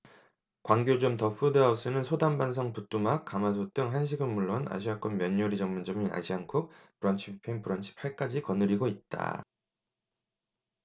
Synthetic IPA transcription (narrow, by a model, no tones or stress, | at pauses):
kwaŋɡjod͡ʑomtʌpʰudeas͈ɯnɯnsʰodambansʰʌŋput͈umak̚k͈amasʰot͈ɯŋɦanɕ̬ʰiɡɯnmːuɭːona̰ɕ̬ʰiak͈ɯnmjʌɲːʌɾid͡ʑʌŋmund͡ʑʌmina̰ɕʰiaŋkʰɯk̚pɯɾʌnt͡ɕʰipʰeŋpɯɾʌnɕʰi̥pʰːaɭk͈ad͡ʑikʌnɯɾiɡoit̚t͈a̰